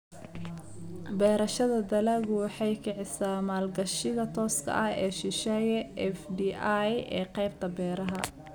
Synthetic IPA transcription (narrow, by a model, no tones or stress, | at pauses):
bɛːɾɐʃɐðɐd̪ɐlɐɣʊwɑħɑjkʰɪʕɪsaːmaːlɡɐʃɪɣɐt̪ʰɔːskʰɐ̰ʔɐhɛːʃɪʃɛːjʔɛfdiːajɛːqɑjb̚t̪ʰɐbɛːɾɐɦɐ